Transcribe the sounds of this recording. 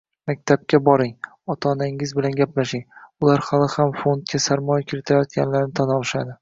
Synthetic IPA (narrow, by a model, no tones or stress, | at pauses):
mak̚ʲt̪ʰap̚kʲabɒɾɪŋ | ɒt̪ʰɒnaŋɪzbɪlanɡʲaplaʃɪŋʊlaɾhalˠɪhamfo̞nt̪̚kʲasaɾmɒjakʲʰɪɾɪt̪ʰɪajɒt̪̚kʲanlaɾnɪt̪ʰanɒlˠɪʃad̪ɪ